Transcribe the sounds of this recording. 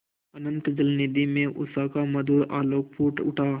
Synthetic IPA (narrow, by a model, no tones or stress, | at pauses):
ɐnə̃nt̪d͡ʒəlnid̪imẽʔʊ̰saːkamɐd̪uːɾaːloːk̚puːʈʊʈʰaː